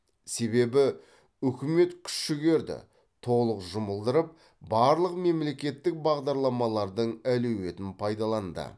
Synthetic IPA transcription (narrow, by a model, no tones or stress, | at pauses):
se̞be̞bɪ | ʏkʲɪme̞t̪kʲʰʏ̥ʃʃɪɡʲe̞ɾd̪ɪ̰ | t̪ʰo̞lˠəqʒʊməlˠd̪əɾəp̚ | bɑɾlˠəqme̞mle̞kʲe̞t̪ːɪk̚bɑʁd̪ɑɾlˠɑmɑlˠɑɾd̪əɴælewe̞t̪ɪnpʰɑjd̪ɑlˠɑnd̪ə̰